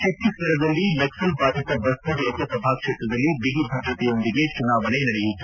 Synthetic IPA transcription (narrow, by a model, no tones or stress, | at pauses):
ʃɐk̪ːisʋɐɾɐd̪ɐlːilɐksɐlpaːʈ̪ɐt̪ɐbɐst̪ɐd̪ɐk̪ɐpɐbʱaːkkʂeːt̪ɾɐd̪ɐlːibiɦibʱɐɡɾɐt̪ejɐond̪iɡet͡ʃunaːʋɐnenɐɽejit̪ːu